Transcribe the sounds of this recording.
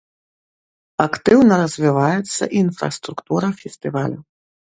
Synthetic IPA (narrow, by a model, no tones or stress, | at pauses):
akt̪ɨwnɐɾɐzʲvʲivajɛt̪sːɐ̰ʔinfɾɐ̰st̪ɾukt̪uɾɐfʲɛsʲt̪ɨvalʲu